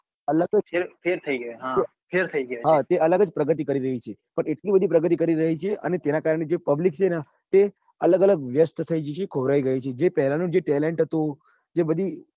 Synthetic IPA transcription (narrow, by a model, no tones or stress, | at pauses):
ələfʰeɾt̪ʰəiɡəeɦã | pʰeɾt̪ʰəiɡəeɦat̪eʔələɡəd͡ʒpɾəɡət̪̬ikəɾiɾəɦit͡ʃʰepəɳeʈlibəd̪ʱipɾəɡət̪̬ikəɾiɾəɦit͡ʃʰeʔə̰net̪enakaɾəɳ̃ed͡ʒepəblik̚t͡ʃʰena | t̪e | ələɡələɡʋjəst̪t̪ʰəid͡ʒet͡ʃʰekʰoʋɾaiɡəjut͡ʃʰed͡ʒepɛɦlanũd͡ʒeʈɛleɳʈɦət̪ũ | d͡ʒebəd̪ʱi